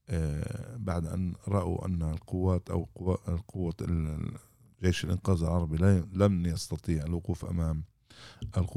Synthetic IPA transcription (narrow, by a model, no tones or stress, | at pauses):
ʔbaʕd̪ʔa̰nɾˤɑʔa̰ʔa̰nːalqʊwːaːt̪ʔa̰wqaqʊwːa | ʒeːʃɪlʔɪnqaːzɪlʕɑɾˤɑbillamjɑst̪ɑt̪ˤiːʕalwʊquːfʔa̰maːm | ʔɪlqʊ